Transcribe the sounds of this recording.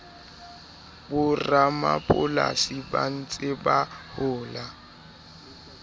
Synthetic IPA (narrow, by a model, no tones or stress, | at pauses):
bʊramapʼʊla̰siban̩t͡sʼɪbahʊːla